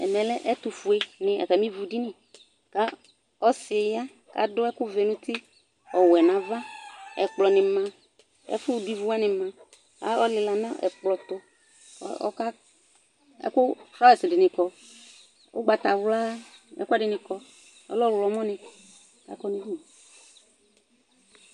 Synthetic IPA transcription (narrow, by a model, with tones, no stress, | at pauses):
ɛ̰˨mɛ̃˨lɛ˦ʔɛ˦t̪ʊ˨fu˨e˨nɪ̃˨ɛ̰˨kɛ˨mĩ˦vu˨di˦nɪ̃˨ | ka˦ | ɔ˦sɪ˨ja˦ | ka̰˨dʊ˦ɛ˦kʊ˦ve˨nũ˦t̪i˦ | ɔ˨wɛ˨nã˨va˦ɛ̰˨k͡plɔ˨nɪ̃˨mã˨ | ɛ̰˦fʊ˦˨di˦vu˦a˦nɪ̃˨mã˨ | a̰˦ɔ˦lɪ˨la˨nã˦ʔɛ̰˨k͡plɔ˨t̪o̰˨˦ | ka˦ | ɛ̰˦kʊ˦fɾa˦˨sɪ˨dɪ˨nɪ̃˨kɔ˨ | ʔo˦ɡ͡ba˨t̪a˨wʊ˦la˦ɛ̰˦ka˦˨ɖɪ˨nɪ̃˨kɔ˨ | ɛ̰˦lɔ˦wlɔ˨˦mɔ̃˦nɪ̃˨ | ka̰˦kɔ˦nĩ˨˦di˦nĩ˨